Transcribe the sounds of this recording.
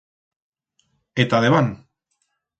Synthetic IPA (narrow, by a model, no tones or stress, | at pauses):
et̪aðeβan